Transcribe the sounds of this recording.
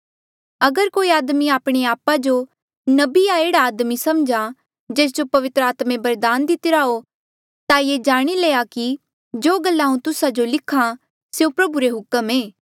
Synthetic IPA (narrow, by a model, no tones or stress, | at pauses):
ɐɡəɾkoːiaːd̪miaːpɽ̃eaːpad͡ʒo | nɐbiaeːɽaːd̪misɐmd͡ʒa | d͡ʒeːs̬d͡ʒopɐʋɪt̪ɾəaːt̪mẽbɐɾd̪aːnd̪ɪt̪ɪɾaːo | t̪ajed͡ʒaːɽ̃ileːaki | d͡ʒoːɡɐlːaũt̪ʊsad͡ʒolɪkʰã | seũpɾɐbuɾeɦʊkəmeː